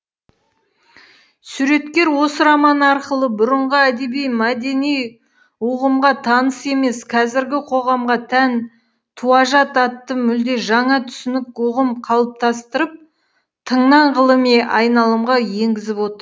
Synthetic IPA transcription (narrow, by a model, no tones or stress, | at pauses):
suɾe̞t̪kʲe̞ɾwo̞səɾɑmɑnɑɾqəlˠəbʊɾəɴʁəæd̪e̞bijmæd̪e̞nij | uʁəmʁɑt̪ʰɑnəse̞me̞skʰɑzɪɾɡʲɪqʰo̞ʁɑmʁɑt̪ʰæn | t̪ʰuɑʒɑt̪ɑt̪ːəmʏld̪e̞ʒɑɴɑt̪ʰʏ̥sɪnɪk̚ʊʁəmqʰɑlˠəp̚t̪ʰɑst̪əɾəp̚ | t̪ʰəɴnɑɴʁəlˠəmeʔɑjnɑlˠəmʁɑje̞ŋɡʲɪzɪpwo̞t̪əɾ